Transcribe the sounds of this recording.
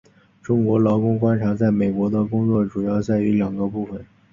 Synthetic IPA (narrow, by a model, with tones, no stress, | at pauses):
ʈ͡ʂʊ˥ŋkwɔ˧˥lɑ˧˥ʊkʊ˥ŋkwa˥nʈ͡ʂʰa˧˥t͡sa˥˩ɪme˨˩ɪkwɔ˧˥d̪ə˧kʊ˥ŋt͡swɔ˥˩ʈ͡ʂu˨˩jɑ˥˧ʊsa˥˩ɪy˧˥ljɑ˨˩ŋɡə˦pu˥˩fə˩n